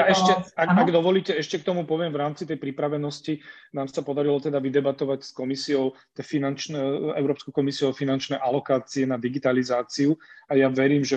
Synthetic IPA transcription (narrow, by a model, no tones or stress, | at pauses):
jaɛʃcɛakaɡd̪ɔʋɔliːcɛɛʃcɛkt̪ɔmupɔʋɪɛmvɾaːmt͡sit̪ɛjpɾipɾaʋɛnɔscinaːmsapɔd̪aɾilɔt̪ɛd̪aʋid̪ɛbat̪ɔʋacskɔmisiɔʊ | t̪ɛfinant͡ʃnɛɛ̰ʊɾɔːpskɔʊkɔmisiɔfinant͡ʃnɛʔalɔkaːt͡siɛnad̪iɡit̪alizaːt͡siuajaʋɛɾiːmʒɛ